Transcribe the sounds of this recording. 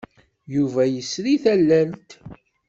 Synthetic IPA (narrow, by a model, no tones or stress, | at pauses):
juvæjəsɾiθælːælt̪